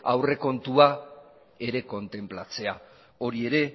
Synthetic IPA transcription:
a̰wre̞ko̞nt̪ua | e̞ɾe̞ko̞nt̪e̞mplat͡se̞a | o̞ɾie̞ɾe̞

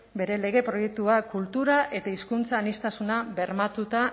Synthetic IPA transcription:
be̞ɾe̞le̞ɣ̞e̞pɾo̞je̞k̚t̪uakult̪uɾaʔe̞t̪aiskunt͡saːnist̪asunaβe̞ɾmat̪ut̪a

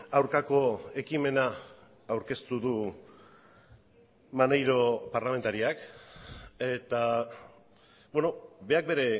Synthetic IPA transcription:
awɾkako̞e̞kime̞naː | wɾke̞st̪uðu | manejɾo̞paɾlame̞nt̪aɾiak | e̞t̪a | bwe̞no̞be̞ak̚be̞ɾe̞

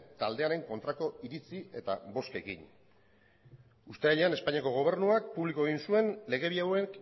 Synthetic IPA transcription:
t̪ald̪e̞aɾe̞ŋko̞nt̪ɾako̞iɾit͡sie̞t̪abo̞ske̞kḭɲ | ust̪eaʎeane̞spaɲiako̞ɣ̞o̞β̞e̞ɾrnuak̚puβlikoe̞ɣinsue̞nle̞ɣ̞e̞βiawek

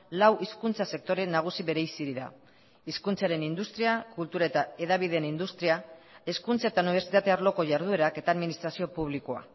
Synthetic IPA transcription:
lawʔiskunt͡sase̞k̚t̪o̞ɾe̞nːaɣ̞usiβe̞ɾejsiɾiða̰ | iskunt͡saɾe̞nind̪ust̪ɾiakult̪uɾae̞t̪ae̞ðaβ̞ið̞enind̪ust̪ɾiae̞skunt͡sae̞t̪auniβ̞e̞ɾsit̪at̪e̞aɾlo̞ko̞ʝaɾð̞ue̞ɾake̞t̪aːðminist̪ɾasio̞puβlikoa̰

